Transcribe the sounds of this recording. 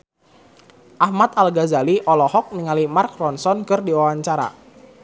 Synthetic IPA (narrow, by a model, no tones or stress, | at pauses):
ʔahmat̪alɡazaliʔɔlɔhɔk̚niŋalimark̚rɔnsɔnkɨrdiwawaɲt͡ʃaɾa̰